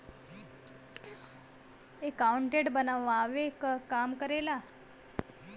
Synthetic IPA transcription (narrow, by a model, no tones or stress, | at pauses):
ekːauɳʈeʈbənaʋʋaːʋekkamkəɾela